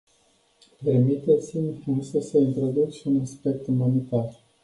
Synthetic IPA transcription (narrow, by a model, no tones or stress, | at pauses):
pe̞rmit̪e̞t̪simʲɨnsəsəint̪ɾo̞d̪ukʃiunaspe̞k̚t̪ɨmonit̪ar